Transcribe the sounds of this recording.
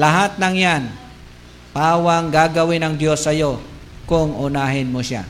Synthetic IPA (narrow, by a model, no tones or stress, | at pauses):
lɐɦat̪̚nɐŋjan | paːwɐŋɡaɡɐwɪnɐŋd̪jo̞sːɐjo̞ | kʊŋʊnaɦɪnmoʃa̰